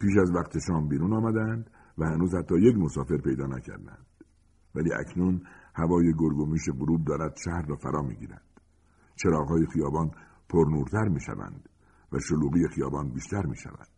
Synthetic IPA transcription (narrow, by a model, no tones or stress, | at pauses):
piːʃæzvæqt̪ʰe̞ʃɒːmbiːɾuːnɒːmæd̪æænd̪ | væhænuːzhæt̪ʰːɒːje̞cmosɒːfe̞ɾpe̞jd̪ɒːnæcʰæ̰ɾd̪æ̰nd̪̥ | væliːʔæ̰knunhævɒːjeɡoɾɡomiːʃeɡoɾuːb̚d̪ɒːɾæd̪̥ʃæhɾːɒːfæ̰ɾɒːmḭːɟḭːɾæ̰nd̪̥ | t͡ʃʰe̞ɾɒːɣɦɒːjexijɒːbɒːn | pʰoɾnuːɾt̪ʰæɾmiːʃæ̰væ̰nd̪̥ | væ̰ʃoluːɣiːjexijɒ̰ːbɒːnbiːʃt̪æɾmḭːʃæ̰væ̰d̪̥